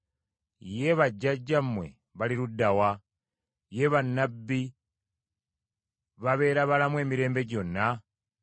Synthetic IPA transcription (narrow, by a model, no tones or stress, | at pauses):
je̞βaɟːaɟːamwe̞̰ | βaliɾudawa | je̞βanːabːi | βaβe̞ːɾaβalamwe̞ːmiɾe̞ːmbe̞ɟo̞nːa